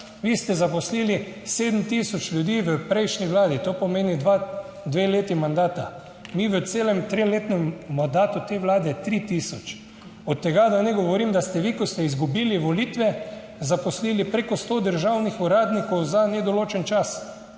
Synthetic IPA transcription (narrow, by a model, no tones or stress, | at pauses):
ʋiːst̪ɛzapɔsliliseːd̪m̩t̪isɔt͡ʃlʲjud̪iːʋəpɾejʃniʋlaːd̪it̪oːpɔmeːnid̪ʋa | d̪ʋeleːt̪imand̪aːt̪a | miʋət̪seːlɛmt̪ɾeleːt̪nɛmːand̪aːt̪ut̪eʋlaːd̪ɛt̪ɾit̪isɔt͡ʃ | ɔt̪ːɛɡad̪anɛɡɔʋɔɾiːmd̪ast̪ɛʋikɔst̪ɛizɡubiːliʋɔliːt̪ʋɛ | zapɔsliːlipɾekɔst̪oːd̪əɾʒawnixuɾaːd̪nikɔwzanɛd̪ɔloːt͡ʃɛnt͡ʃas